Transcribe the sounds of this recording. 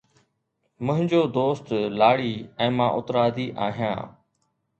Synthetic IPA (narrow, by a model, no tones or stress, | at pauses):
mʊ̃ɦɪ̃ɲd͡ʑoːd̪oːst̪laːɽiːɛ̃ːmãːʔʊt̪ɾaːd̪ʱiːʔa̰ːɦijã̰ː